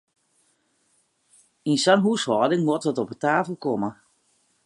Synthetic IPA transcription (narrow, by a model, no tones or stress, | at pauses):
insanɦushɔːdɪŋmɔtʋɔtɔpətaːfəlˠkɔmə